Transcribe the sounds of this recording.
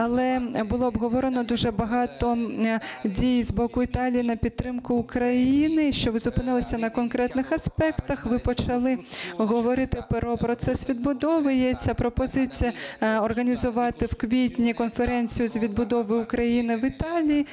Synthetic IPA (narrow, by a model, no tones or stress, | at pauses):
ɐlˠɛbʊlˠɔːbɦɔʋɔɾenɔd̪uʒɛbɐɦɑt̪ɔ | dʲijzbɔkʊit̪ɑlʲijinɐpʲid̪̚t̪ːɾɪmkʊːkɾɐjinɪʃt͡ʃɔʋɪzʊpɪnɪlˠɐsʲɐnɐkɔnkɾɛt̪nɪxɐspɛkt̪ɐxʋɪpɔt͡ʃɐlˠɪɦɔʋɔɾɪt̪ɪpɾɔpɾɔt̪sɛsʋʲid̪bʊd̪ɔʋɐjet͡sʲːɐpɾɔpɔzɪt͡sʲijɐɔrɣɐnʲizʊʋɑt̪ɪwkʋʲit̪ʲnʲikɔnfeɾɛnʲt͡sʲijʊzʲʋʲid̪̚bʊd̪ɔʋɪʊkɾɐjinɪʋɪt̪ɑlʲiji